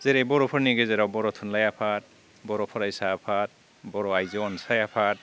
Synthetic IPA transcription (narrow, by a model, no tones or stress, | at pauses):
z̥eɾebɔɾɔpʰɔɾniɡezeɾawbɔɾɔtʰunlajapʰat̚ | bɔɾɔpʰɔɾajsaːpʰat̚ | bɔɾɔajzɔɔnsajapʰat̚